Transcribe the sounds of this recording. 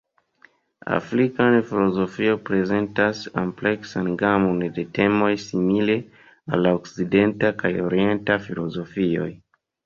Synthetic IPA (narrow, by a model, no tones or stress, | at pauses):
a̰fɾikanfilo̞zo̞fiopɾe̞ze̞ntasomple̞ksanɡamo̞nde̞te̞mo̞jsimile | a̰lːaokside̞ntakajo̞ɾie̞ntafilo̞zo̞fio̞̰j